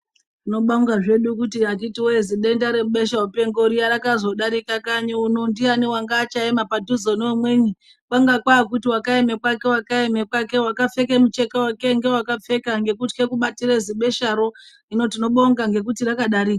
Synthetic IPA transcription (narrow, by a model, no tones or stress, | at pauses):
rino̞ɓaŋɡaʐe̞ɗukutiakitiwoeziɗendaɾeɓe̞ʃaupe̞ŋɡo̞ɾijaɾakazo̞ɗaɾikakaɲuunondianewaŋɡaːt͡ʃaemapaduzoneomweːɲi | kwaŋɡakwakutiwakaemekwake̞wakaemekwake̞wakap͡fe̞kemut͡ʃe̞kawake̞ŋɡe̞wakafe̞kaŋɡe̞kutke̞kuɓatiɾeziɓe̞ʃaɾo̞ | ino̞t̬ino̞ɓoŋɡaŋɡe̞k̬utirakaɗaɾiːka